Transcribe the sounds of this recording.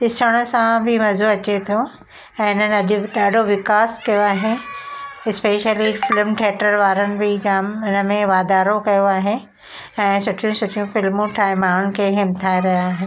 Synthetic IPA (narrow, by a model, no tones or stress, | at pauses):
ɗɪsəɽ̃əsãbʱɪmɐzoɐt͡ɕet̪ʰo | ɛ̃ːɪnənɪ̆ɐʄʊɗaːɖʱoʋɪkaːskɐjoaːɦe | ɪspeːʃəlifɪlmʈʰeːʈəɾʋaːɾənɪ̆bʱɪɡaːmɪnəmẽʋaːd̪aːɾokɐjoaːɦe | ɛ̃ːsʊʈʰijũsʊʈʰijũfɪlmũʈʰaːɪmaːɽʊnɪ̆kʰeːɦɪmt̪ʰaːeɾɐɦjaːɦɪn